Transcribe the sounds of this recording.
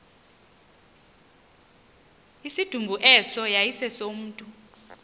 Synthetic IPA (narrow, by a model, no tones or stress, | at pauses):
isid̥ʱumbʱuʔɛsɔjajisɛsom̩ːtʼu